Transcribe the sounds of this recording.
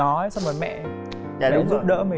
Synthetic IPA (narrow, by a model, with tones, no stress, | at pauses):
ɔ˨˦jsa˧wŋ͡mməː˨˩jmɛ̰˧˨ʔ | laː˨˩ɗʊ˨˦ŋ͡mzɨ̰˦˥ɗə̰ː˧˥mi˨˩